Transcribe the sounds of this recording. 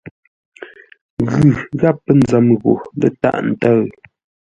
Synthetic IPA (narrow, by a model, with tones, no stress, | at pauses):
ɣʉ˨ɣa˦˨pːə˦n̩˨d͡zə˨˦mɣo̰˨lə̰˦ta̰˦ʔn̩˨tə˦˨ɰ